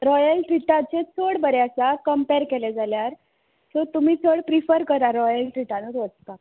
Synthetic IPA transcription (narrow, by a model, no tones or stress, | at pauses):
ɾɔjəlʈɾiʈãt͡ɕet͡sʰoɽbəɾeəsakəmpeɾkelɛd͡zaljaɾ | sɔt̪um̤iːt͡sʰoɽpɾifəɾkəɾaɾɔjəlʈɾiʈãnəɾʋət͡st̪a